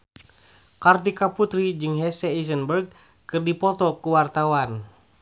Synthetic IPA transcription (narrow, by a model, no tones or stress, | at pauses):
kart̪ikaput̪ɾid͡ʒɨŋɦɛsɛisənbərɡ̚ | kɨrdipɔt̪ɔkuwart̪awan